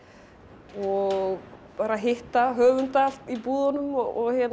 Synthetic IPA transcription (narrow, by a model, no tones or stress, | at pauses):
ɔɣpaːɾaɦɪht̪aɦœːvʏnt̪al̥t̪ipuːðanʏmɔɔɣçɛ